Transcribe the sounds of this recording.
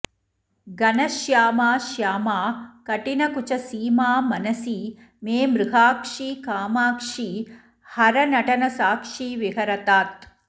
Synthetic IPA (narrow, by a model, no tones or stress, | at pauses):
ɡɐnɐʃjaːmaːʃjaːmaːkɐʈinɐkut͡ʃɐsiːmaːmɐnɐsiː | meːmɾuɦaːkʂiːkaːmaːkʂi | hɐɾɐnɐʈɐnɐsaːkʂiːʋiɦɐɾɐt̪aːt̪̚